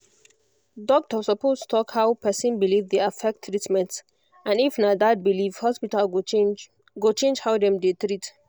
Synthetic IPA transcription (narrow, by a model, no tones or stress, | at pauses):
dɔk̚tʰɔsɔpostu̥tʰɔkhaʊpʰɛsə̃nbilivdeafɛk̚tʰːɹitmɛ̃nt | ãnifnadad̚biliv̥hɔspital | ɡot͡ʃẽnd͡ʒhawdɛ̃mdet̪ɹit